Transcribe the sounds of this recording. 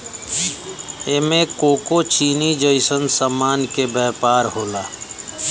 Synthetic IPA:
eːmẽkoːkot͡ʃiːnid͡ʒəɪsənsəmaːnkebɛːpaːɾɦoːlaː

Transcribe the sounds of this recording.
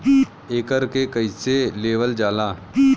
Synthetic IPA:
eːkəɾkekəiseleːʋəld͡ʒaːlaː

